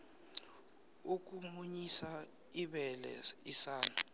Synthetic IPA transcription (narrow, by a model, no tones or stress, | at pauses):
uk̬umuɲisa | iɓɛlɛ̰isaːnu